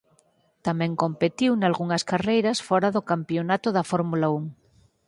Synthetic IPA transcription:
t̪amɛ̃ŋkompet̪iwnalɣuŋɐskarejɾɐsfɔɾaðokampjonat̪oðɐfoɾmulauŋ

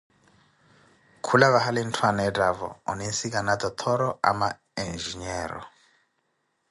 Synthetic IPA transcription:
kʰulaβaɦalin̩tʰwanaɛtʼavɔ̰ɔ̰ninsikʼanat̪ʼɔt̪ʰɔɾɔʔa̰ma | ɛnd͡ʒiɲɛːɾɔ̰

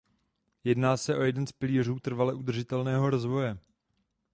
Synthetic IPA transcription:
jɛdnaːsɛʔo̞jɛdɛnspɪliːr̝uːt̪r̩valɛʔud̪r̩ʒɪt̪ɛlnɛːɦo̞ɾozvo̞jɛ

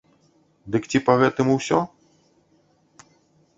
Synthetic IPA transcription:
d̪ɨkt͡sʲipɐɣɛt̪ɨmuwsʲɔ

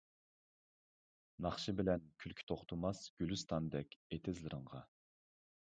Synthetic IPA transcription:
nɑχʃɨbɪlɛnkʲʰylkʲʰi̥t̪ʰoχt̪ʰumɑsɡ̥ʲylyst̪ʰɑnd̪ɛkʲet̪ʰɪzlɪɾəŋʁɑ

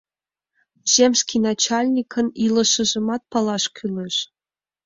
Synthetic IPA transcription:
ʑ̥emʲskʲinɑt͡ɕɑlʲnʲikʰɤ̆nilˠɤ̆ʃɤ̆ʒɤ̆mɑt̪̚pɑlˠɑʃkʲʰylʲeʃ

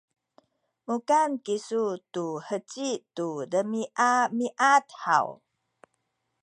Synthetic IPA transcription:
mukankisutuhət͡ɕitudəmiʔamiʔatha̰w

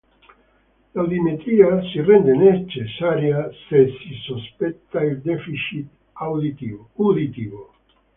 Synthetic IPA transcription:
lawd̪imet̪ɾiasirend̪enet͡ʃesaɾjasesisospet̪ːaeld̪efiʃit̪ | awdit̪iud̪it̪ivo

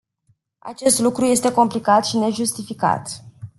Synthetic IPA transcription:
a̰t͡ʃe̞st̪lukɾuje̞st̪e̞ko̞mplikat̪ʃine̞ʒust̪ifika̰t̪

